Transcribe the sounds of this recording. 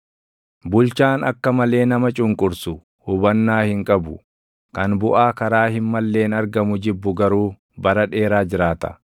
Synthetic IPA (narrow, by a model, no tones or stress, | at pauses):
bʊlt͡ʃaːnɐkːɐmɐle̞ːnɐmɐt͡ʃʼʊŋkʼʊɾsʊ | hʊbɐnːaːhɪŋkʼɐbʊ | kɐnbʊʔaːkɐɾaːhɪnmɐlːe̞ːnɐɾɡɐmʊd͡ʒɪbːʊɡɐɾuː | bɐɾɐᶑe̞ːɾaːd͡ʒɪɾaːt̪ɐ̥